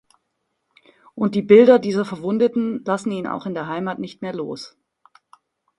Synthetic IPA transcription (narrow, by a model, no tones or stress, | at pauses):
ʔʊnt̚d̥iːbɪldɐdiːzɐfɛɐvʊndətn̩lasn̩iːəna̰ʊxɪndeːɐɦaɪmaːtnɪçtmeːɐlo̰ːs